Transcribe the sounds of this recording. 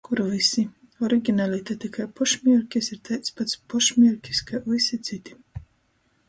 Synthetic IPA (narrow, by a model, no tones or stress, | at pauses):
kuɾvisi | ɔɾiɡʲinalʲit̪at̪ikajpɔʃmʲiɛɾkʲisiɾt̪ajt̪spat̪spɔʃmʲiɛɾkʲi̥skavisit̪sit̪ʲi̥